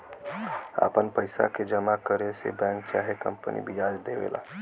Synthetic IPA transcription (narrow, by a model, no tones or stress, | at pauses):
a̰pənpəɪsa̰ked͡ʒəmakəɾesḛbɛ̃ːŋk̚t͡ʃaːɦekə̰̃mpənḭbʱijaːd͡ʒd̪eʋḛla̰